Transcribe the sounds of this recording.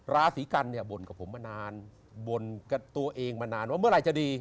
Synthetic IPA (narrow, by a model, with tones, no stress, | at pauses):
ɾaː˧˥siː˩˦ka˧nːi˥˩ɐbo˨˩nka˨˩pʰo˩˦mːaː˧naː˧n | bo˨˩nka˧˩t̪u˧ɐʔeː˧ŋmaː˧naː˧nwaː˥˩mɯ˥˩ɐɾa˧˩jt͡ɕa˧˩diː˧